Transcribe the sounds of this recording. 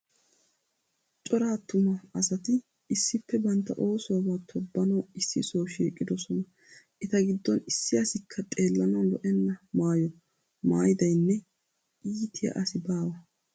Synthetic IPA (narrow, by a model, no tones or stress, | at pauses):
t͡ʃʼɔɾaːt̪ːʊmɐɐsɐt̪ɪː | sːɪpːɛbɐnt̪ːɐ̰ʔo̞ːsʊwɐbaːt̪ʰɔbːɐnɐwɪsːɪsoːwʃiːkʼːɪd̪ɔsɔnɐ | ʔɪt̪ɐɡɪd̪ːɔnɪsːɪɐsɪkʰːɐt̪ʼe̞ːlːɐnɐwlɔʔɛnːɐmaːjɔ | ma̰ːjɪd̪ɐjnːɛ | ʔiːt̪ʰɪjɐ̰ʔɐsɪbaːwɐ